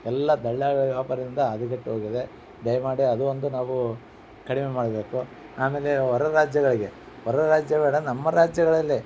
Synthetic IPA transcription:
ɛlːɐd̪ɐɭːjaːʋʋaːpɐɾɐind̪ɐːd̪ɐɡɐʈːɦoːɡid̪e̞ | ɖɐjmaːɽiɐd̪uond̪unaːʋu | kɐɽimemaːɽɐbe̞ːku | aːme̞ːleɔɾɐɾaːd͡ʒjɐɡɐɭiɡe̞ | ɔɾɐɾaːd͡ʒjɐbeːɽɐnɐmːɐɾaːd͡ʒjɐɡɐɭɐlːi

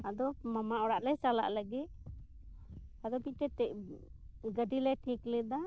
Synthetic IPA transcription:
ad̪ɔmamaɔɽaʔlɛjt͡ʃala̰ʔləɡit̪̚ | ad̪ɔbiʈɛt̪ɛʔ | ɡəɖilɛʈʰiklɛd̪a

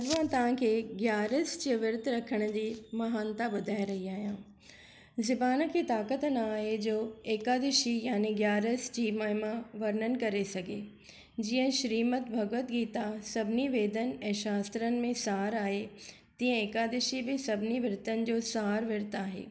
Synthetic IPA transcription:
ɐd̪ʋãt̪ɐʋ̤ãkʰeːɡjaːɾəsd͡ʑiʋɪɾt̪ɾɐkʰəɽ̃ʊ̆d͡ʑiːmɐɦaːnt̪aɓʊd̪ʱaːɪɾɐɦiaːɦijãː | zɪbaːnə̆kʰeːt̪aːkət̪naːɦed͡ʑoːeːkaːd̪ɪʃijaːneɡjaːɾəsd͡ʑiːmaːɦɪmaʋɐɾnənɪ̆kɐɾesɐɡʱḛː | d͡ʑiːə̃ʃɾiːmət̪bʱɐɡʋət̪ɡiːt̪asɐbʱniʋeːd̪ʱən̆ɛ̃ːʃaːst̪ɾənɪ̆mẽsaːɾaːɦe | t̪ĩːə̃eːkaːd̪ɪʃibɪsɐbʱɪniʋɪɾt̪ənɪ̆d͡ʑoːsaːɾʋɪɾt̪aːɦḛː

